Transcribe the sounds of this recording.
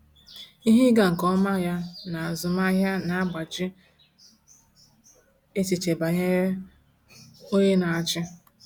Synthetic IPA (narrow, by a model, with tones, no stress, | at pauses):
i˦ɦi˦ɡa˨ŋ̩˨kɔ˦ma˦ja˦na˨a˨zʊ˨ma˦ɦja˦na˨a˦ɡ͡ba˨t͡ʃɪ˦ | e˦ti˨t͡ʃe˨ba˨ɲe˦ | o˦ɲe˦na˨a˨t͡ʃɪ˦